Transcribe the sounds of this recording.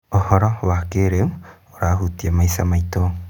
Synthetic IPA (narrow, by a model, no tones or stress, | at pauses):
ohoɾoβakeɾeu | oɾaɦut̪iamajsamajt̪o